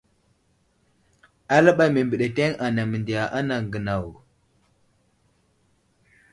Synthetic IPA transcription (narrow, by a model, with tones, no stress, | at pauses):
a˦la˦ɓa˨me˨mbə˨ɗe˨te˦ŋa˨na˨mə˨ndi˨ja˨ʔa˦na˨ŋɡə˨na˨w